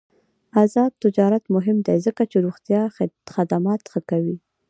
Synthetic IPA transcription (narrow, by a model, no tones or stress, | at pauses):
azɑb̪̚t̪ɪd͡ʒɑɾat̪mʊɦɪmd̪ejzəkat͡ʃeɾuɣt̪jɑxad̪amɑt̪xəkawi